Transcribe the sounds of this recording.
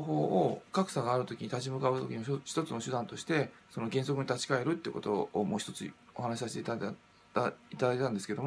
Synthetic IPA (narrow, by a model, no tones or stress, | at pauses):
ɦo̞ːokakɯ̟̥saɡaːɾɯ̟t̪o̞kʲiɲ̟it̪at͡ɕimɯ̟kaɯ̟t̪o̞kʲiɲimç̥t̪o̞t͡sɨno̞ɕɨd̪ãnt̪o̞ɕi̥t̪e̞ | so̞no̞ɡẽ̞ɰ̃so̞kɯ̟ɲit̪at͡ɕi̥kae̞ɾɯ̟t̪ːeɯko̞t̪o̞ːmo̞ːçi̥t̪o̞t͡sɨo̞hanaɕi̥saɕi̥t̪et̪ | t̪ait̪ad̪aiet̪and̪esɨ̥ke̞d̪o